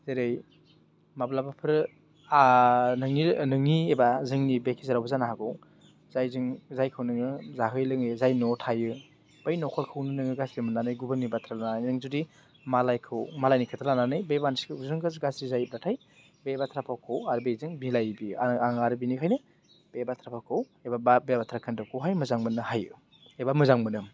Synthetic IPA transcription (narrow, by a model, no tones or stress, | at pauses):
zeɾej | mablabapʰɯɾ | anɯŋinɯŋiebazɯŋnibekʰizaɾawbzanaɦaɡɯw | zajzɯŋzajkʰɯwnɯŋɯzaɦɯjlɯŋɯzajnɔtʰajɯ | b̥ajnɔkʰɔɾkʰɯwnɯnɯŋɯɡasɾimɯnanɯjɡubɯnibatʰɾalanajnɯŋzudi | malajkʰɯwmalajnikʰɯtʰalananɯjbebansi̥kʰzɯŋɡɯzɡasɾizajb̚ɾatʰaj | bebatʰɾapʰawkʰawaɾbejzɯŋbilajbiaaŋaɾɯbinikʰajnɯ | b̥ebatʰɾapʰawkʰɯw | ebababebatʰɾakʰɯndɯwkʰɯwɦajmɯzaŋmɯnːɯhajɯ | ebamɯzaŋmɯnɯm